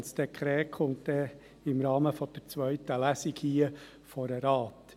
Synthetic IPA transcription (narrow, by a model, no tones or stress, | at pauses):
nsd̥ɛkʰɾɛːkʰχʊmtd̥ɛ | ɪmɾɑːməfɔd̥əɾt͡sʋœʏt̪əlæsikhiːə | fɔɾəɾɑːt̪